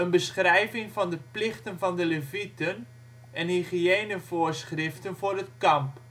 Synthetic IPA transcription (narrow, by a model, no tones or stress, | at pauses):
ənbəsχrɛjvɪŋvɔndəplɪχtənvɔndələvitən | ɛnhiχieːnəvʊərsχrɪftənvʊːrət̚kɑmp